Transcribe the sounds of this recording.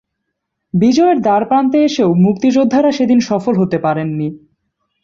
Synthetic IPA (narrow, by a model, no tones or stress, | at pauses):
bid͡ʑɔeɾd̪aɾpant̪̬eeʃeomuk̚t̪id͡ʑod̪ʱːaɾaʃed̪inʃɔfolɦot̪epaɾenːi